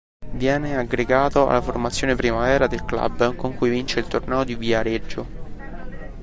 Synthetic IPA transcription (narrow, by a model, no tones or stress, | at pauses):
vjɛːneaɡɾeɡaːt̪oa̰lːaformat̪sːjoːnepɾimavɛːɾad̪elkla̰bkoŋkujvint͡ʃeilt̪ornɛːod̪iviaɾed͡ʒːo